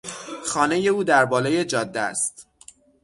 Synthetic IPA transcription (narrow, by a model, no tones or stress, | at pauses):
xɒːne̞je̞uːd̪æɾbɒːleːje̞d͡ʒɒːd̪ːæ̰st̪